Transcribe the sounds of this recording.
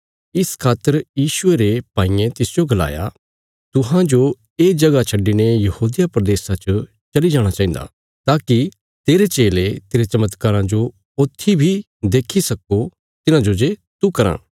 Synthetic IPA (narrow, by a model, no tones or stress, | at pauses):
ɪskʰaːt̪ːəɾjiːʃʊeɾepaːĩːẽt̪ɪsd͡ʒoɡɐla̰ːja̰ | t̪ʊɦãd͡ʒo | eːd͡ʒɐɡat͡ʃʰɐɖːinejɐhuːd̪ɪjapɾɐd̪eːsat͡ʃə | t͡ʃɐlid͡ʒaːɽ̃at͡ʃaːɦĩːnd̪a̰ | t̪aːki | t̪eːɾet͡ʃeːlet̪eːɾet͡ʃɐmət̪kaːɾãd͡ʒo | ot̪ʰːibʱi | d̪eːkʰisɐko | t̪ɪnãd͡ʒod͡ʒet̪ukɐɾã̰ː